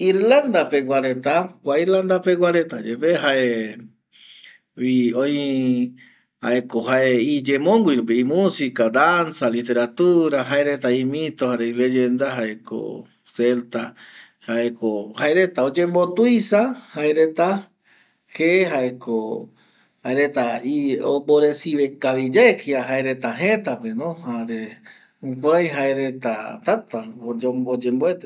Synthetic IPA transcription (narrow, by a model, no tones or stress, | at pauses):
iɾland̪apewʷaɾet̪akʷaiɾland̪apewaɾet̪ad͡ʒepeɦae | iõĩ | ha̰ekoɦaeid͡ʒemõŋɡʷiɾop̬eimũsikad̪ansalit̪e̞ɾat̪uɾaɦaeɾet̪aĩmĩt̪ohaɾeiled͡ʒend̪aɦaeko̰ | selt̪a | haekohaeɾet̪aod͡ʒembot̪ujsahaeɾet̪a | heɦaeko | haeɾet̪aio̰mboɾesiβekaβid͡ʒeekiaɦaeɾet̪aɦẽt̪apenõhaɾe | ũkʷaɾajɦaeɾet̪at̪at̪aod͡ʒombod͡ʒemboet̪e